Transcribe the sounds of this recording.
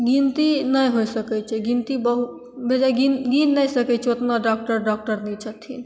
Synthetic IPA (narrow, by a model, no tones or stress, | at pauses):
ɡint̪inəjɦojsəkɛt͡ʃʰɛɡint̪ibəɦu | bʱed͡ʒaɡinɡinːəjsəkɛt͡ʃʰot̪naɖak̚ʈəɾɖɔk̚ʈəɾnit͡ʃʰət̪ʰin